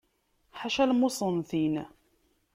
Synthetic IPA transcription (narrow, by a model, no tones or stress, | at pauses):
ħaʃælmʊsˤənθin